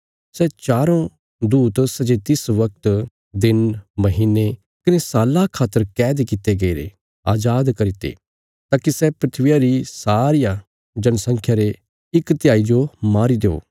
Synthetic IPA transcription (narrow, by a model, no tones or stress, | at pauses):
sɛt͡ʃaːɾõ | d̪uːt̪sɐd͡ʒet̪ɪsʋɐk̚t̪ | d̪ɪnmɐɦiːnːe | kɐnesaːlakʰːaːt̪ːəɾkɛːd̪ekɪt̪eɡɐiɾḛ | aːd͡ʒaːd̪kɐɾit̪ḛ | t̪aːkisɛpɾɪt̪ʰʋɪjaɾisaːɾɪja | d͡ʒɐnsɐ̃ŋkʰjaɾe | ɪkt̪jaːid͡ʒomaːɾid̪eo̰ː